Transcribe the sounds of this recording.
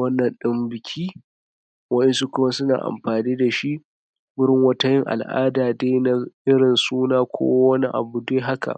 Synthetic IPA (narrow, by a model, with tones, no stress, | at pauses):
ɐ˦nːɐ˨nɗɪ˦mbɪ˨kʲʰiː˦ | wɐ˦ʔɪ˦nsu˦kʷʊ˦ma˦sʊ˦na̰ː˨ʔa̰˨mɸaː˨niː˦da˨ʃi˦ʔ | bɪ˦ɾɪ˦ŋwɐ˦ta˦jɪ˦ŋʔa̰˨lʔa̰ː˦daː˨deː˦na˨ʔɪ˦ɽɪ˨nsuː˦naː˦kʷʰo̰˦wɐ˦ni˦ʔa̰˨bu˨deː˦ɦa˦ka̰˨